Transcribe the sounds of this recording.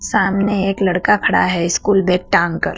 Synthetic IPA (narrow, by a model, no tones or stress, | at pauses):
saːmneeːklɐɽkakʰɐɽa̰ɦɛɪskuːlbeːk̚ʈãːŋkə̰ɾ